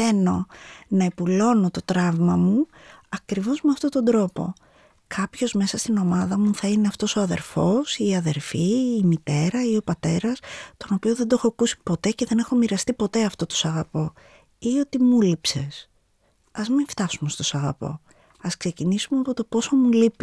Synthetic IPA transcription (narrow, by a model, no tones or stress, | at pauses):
eno̞nɐepulo̞no̞t̪o̞t̪ɾɐvmɐmuɐkɾivo̞zmeɐft̪o̞t̪o̞nd̪ɾo̞po̞̰ | kʰɐpço̞zme̞sɐst̪ino̞mɐðɐmuθɐineɐft̪o̞so̞ɐðe̞ɾfo̞siːɐðe̞ɾfiːmit̪e̞ɾɐio̞pɐt̪e̞ɾɐst̪o̞no̞pioðed̪o̞xoɐkusi̥po̞t̪e̞ceðe̞ne̞xo̞miɾɐst̪ipo̞t̪e̞ɐft̪o̞t̪osɐɣɐpo̞ | io̞t̪imulipse̞s | ɐzmiɱft̪ɐsume̞st̪o̞sɐɣɐ̰po̞̰ | ɐskse̞cinisumeɐpo̞t̪o̞po̞so̞mulipi